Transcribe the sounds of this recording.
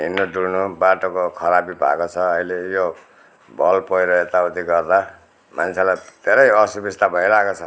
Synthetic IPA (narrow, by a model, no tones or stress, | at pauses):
ɦinːoɖulnubaʈokokʰʌɾabibʱa̰kot͡sʰʌːilejo | bʱʌlpʌjɾʌet̪aut̪iɡʌrd̪a | mant͡sʰelajt̪eɾʌjʌsubist̪abʱʌilakot͡sʰʌ